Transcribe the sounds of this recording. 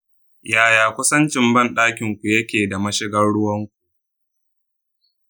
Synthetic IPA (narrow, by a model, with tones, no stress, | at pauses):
jaː˨jaː˨kʷʊ˦sɐ˦nt͡ʃɪ˨mbɐ˦˨nɗaː˦kʲɪ˨ŋkʷu˨jɐ˦kʲeː˨da˨mɐ˦ʃɪ˦ɡɐ˦ɽɽʊ˦wɐ˦ŋkʷu̥˨ʔ